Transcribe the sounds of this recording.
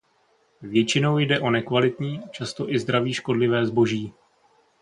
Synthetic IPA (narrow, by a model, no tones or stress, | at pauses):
vjɛt͡ʃɪno̞wjdɛʔo̞nɛkvalɪt̪ɲiːat͡ʃast̪o̞ʔɪzd̪ɾaviːʃko̞dlɪvɛːzbo̞ʒiː